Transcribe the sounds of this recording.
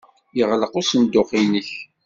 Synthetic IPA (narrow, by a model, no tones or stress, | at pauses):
jəʁləqʊsənd̪ʊqinəç